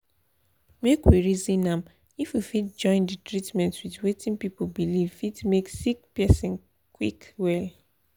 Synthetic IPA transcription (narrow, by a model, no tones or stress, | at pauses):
mekwiɹizĩnãm | ifjifit̚d͡ʒɔ̃ɪ̃ndɨtɹitmɛ̃ntwitwetĩnpipobilifitmeksikpɛsĩn | kwikwɛl